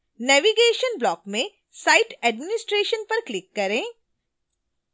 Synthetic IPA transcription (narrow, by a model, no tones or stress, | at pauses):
nɛːʋiɡeːʃənblɔːkmẽ | saːɪʈɛːɖmɪnɪsʈɾeːʃənpɐɾklɪkːɐɾẽː